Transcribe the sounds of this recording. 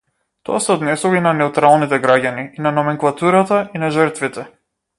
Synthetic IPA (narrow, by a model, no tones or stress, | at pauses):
t̪ɔ̰asɛɔd̪nɛsuvainanɛut̪ɾalˠnit̪ɛɡɾaɟaniinanɔmɛŋklˠat̪uɾat̪ainaʒəɾt̪vit̪ɛ